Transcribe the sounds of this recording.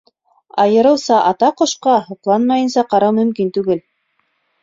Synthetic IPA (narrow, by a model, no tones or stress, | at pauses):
ɑjɤ̆ɾɤ̆wsɑʔɑt̪ɑqŏʃqɑhɤ̆qlˠɑnmɑjɤ̆nsɑqɑɾɑwmɵ̆mkint̪ʉɡɘl